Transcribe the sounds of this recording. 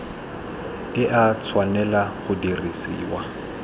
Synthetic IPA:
ɪʔat͡sʰwanɛlaχʊdirisiːwa

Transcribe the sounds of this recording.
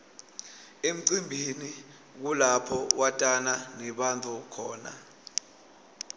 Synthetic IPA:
em̩ǀimbʱini | k̬ulapʰɔwatʼananɛɓantʰʼukʰɔːna̰

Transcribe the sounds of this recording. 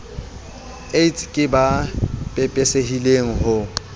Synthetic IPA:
etʰkʼɪbapʼɛpʼɛseɦileŋ̩ɦʊ

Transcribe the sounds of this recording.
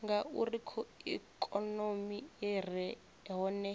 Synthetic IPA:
ŋɡaṵrikʰɔikʼɔnomiɛrɛ | ɦɔnɛ

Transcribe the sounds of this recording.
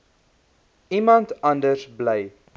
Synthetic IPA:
imɐntɐndərsblɛj

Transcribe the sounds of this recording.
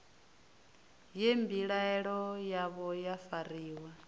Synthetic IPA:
jembiɺaɛɺɔjaβɔjafaɾiːwa

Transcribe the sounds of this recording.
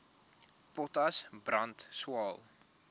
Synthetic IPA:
pɔtɐsbrɐntswɑːlˠ

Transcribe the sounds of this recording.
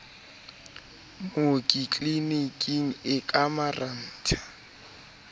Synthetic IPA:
mokʼit͡ɬʼlinikʼiŋ̩ɪkʼamaran̩ːtʰḁ

